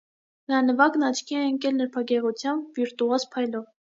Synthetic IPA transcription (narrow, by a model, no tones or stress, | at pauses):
nəɾɑnəvɑknɑt͡ʃʰkʰiɛəŋkɛlnəɾpʰɑɡɛʁut͡sʰjɑmbviɾt̪uɑspʰɑjlɔv